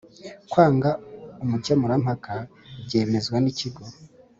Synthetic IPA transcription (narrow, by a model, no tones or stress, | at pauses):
kwaːŋɡaumucemuɾam̥haka | bɟe̞ːme̞zɡwaniciɡo